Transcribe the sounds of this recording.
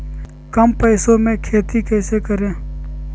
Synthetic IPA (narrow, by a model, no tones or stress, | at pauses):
kəmpəːsomẽkʰeːt̪ikɛːsekəɾẽː